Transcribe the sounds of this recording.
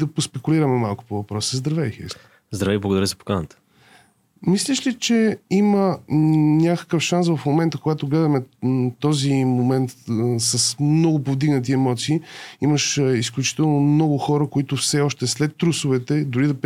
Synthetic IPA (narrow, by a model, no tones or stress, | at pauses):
d̪ɐpospɛkuliɾəmɛmalˠkʊ̥povɐpɾɔsəzd̪ɾɐvɛixɛ̰s | zd̪ɾɐvɛiblˠəɡʊd̪ɐɾəzəpo̥kanət̪ə̥ | mislʲɛʃlʲit͡ʃɛimə | nʲakə̥kəfʃansvɐfmomɛnt̪əkoɡat̪oɡlɛd̪əmɛt̪ɔzimomɛnt̪sɐsmnɔɡʊpovd̪iɡnət̪̬iɛmɔt̪siːiməʃisklʲut͡ʃi̥t̪ɛlˠnomnɔɡʊxɔɾəkʊit̪ʊfsɛɔʃt̪ɛslɛt̪ːɾusʊvɛt̪ɛd̪ʊɾid̪ɐp